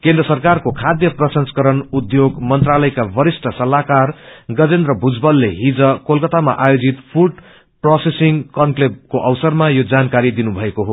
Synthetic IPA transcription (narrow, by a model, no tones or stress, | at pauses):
kend̪rʌsʌrkarkokʰad̪jʌprʌsʌnskʌɾʌnud̪joɡmʌnt̪ralʌjkabʌɾisʈʰʌsʌlakarɡʌd͡zend̪rʌbʱud͡zbʌlːeɦid͡zʌkolkʌt̪ama̰ʔajod͡zit̪pʰuɖ | prosesiŋkʌnkleb̚koʔʌwsʌrmajod͡zankaɾid̪inubʱʌekoɦo